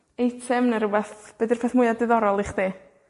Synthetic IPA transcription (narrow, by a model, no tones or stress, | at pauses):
ejtʰɛmnəɾəbɛθb̥ədɪrpʰɛθmʊjadɪðɔɾɔlˠɪχd̥eː